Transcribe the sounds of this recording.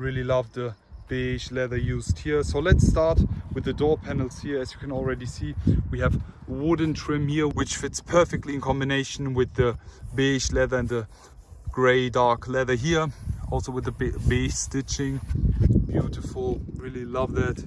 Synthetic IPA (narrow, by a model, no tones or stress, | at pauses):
ɹɪlˠilʌvðə | b̥eʃlɛðə˞jʉzd̚hiɹsoʊlɨtstɑɹtwɨðɨdɔɹpʰænl̩ˠshiɹɨzjɨkʰɨ̃nl̩ˠɹɛɾisiwiɨv | əwʊdⁿn̩tʰɹ̥ɪ̃mhiɹwɨt͡ʃfɪtspʰɜ˞fɛk̚tˡliɨ̃nkʰɑ̃mbɨneɪʃn̩wɪðɨbeʃlɛðə˞ɨ̃nðɨ | ɡ̥ɹeɪdɑɹklɛðə˞ɦiɹɔlˠsoʊwɨðəbeɪstɪt͡ʃɪ̃ŋb̥juɾɨfl̩ˠɹɪlˠilʌvðæt̚